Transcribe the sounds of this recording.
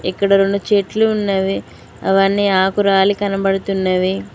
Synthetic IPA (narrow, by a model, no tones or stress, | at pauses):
ḭkːɐɽɐɾoɳɖut͡ʃeːʈluːnːɐʋi | ɐ̰ʋɐnːiaːkuɾaːlikɐnɐbɐɽut̪unːɐʋi